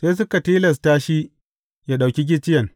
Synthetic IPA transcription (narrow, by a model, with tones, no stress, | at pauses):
seː˦s̬ʊ˦ka˨tiː˦lɐ˨s̬taː˦ʃi˦ | jaː˦ɗa˨wkʲi˦ɡʲɪ˦t͡ʃɪ˦jɐ˨ŋ